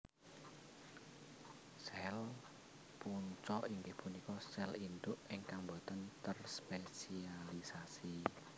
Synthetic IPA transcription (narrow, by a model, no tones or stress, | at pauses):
sɛl | puɲt͡ʃɔʔiŋɡɪhpunikɔsɛlind̪ʊʔiŋkaŋbɔt̪ənt̪ərspesialisasi